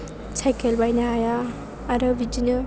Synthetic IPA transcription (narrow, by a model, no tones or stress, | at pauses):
sʰajkelbajnaajaː | ɾɔbid͡ʒinɯ